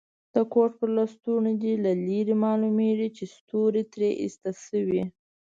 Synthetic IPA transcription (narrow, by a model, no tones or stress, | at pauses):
d̪̥əkoʈ̚pəɾlɑst̪unod̪ilaliɾimɑlumeʐit͡ʃest̪oɾet̪ɾeʔḭst̪asəwi